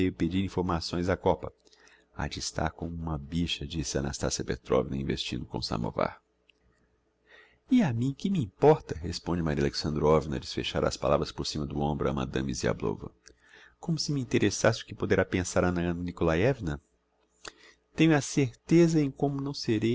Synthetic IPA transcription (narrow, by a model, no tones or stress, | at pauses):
vejʊped͡ʒiɾĩfoɾmasõj̃zakɔpɐ | a̰d͡ʒɪːst̪a̰ɾkõũmɐbiʃɐd͡ʒisɪɐa̰na̰st̪asiɐpet̪ɾɔ̰vinɐĩvest͡ʃĩnd̪ʊkõ̰sɐ̰̃mo̰va̰ɾ | iamĩkɪmiĩpɔɾt̪ɐɦespõd͡ʒɪmaɾiɐleksɐ̃nd̪ɾɔvinɐ̰d͡ʒɪsfeʃaɾɐ̰spalavɾɐspoɾsĩmɐd̪ʊõmbɾʊɐ̰mɐ̰̃d̪ɐ̃mizia̰blo̰vɐ̰ | kõmʊsɪmiĩnt̪eɾʔesasɪʊ̥kɪpod̪eɾapẽsaɾɐnɐnikolaɛvnɐ | t̪ẽjɲʊɐseɾt̪ezɐẽj̃kõmʊnɐ̃w̃seɾe